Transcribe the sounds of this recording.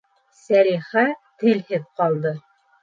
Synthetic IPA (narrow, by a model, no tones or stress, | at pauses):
sæɾiχæt̪ɘ̆lhɘðqɑlˠd̪ɤ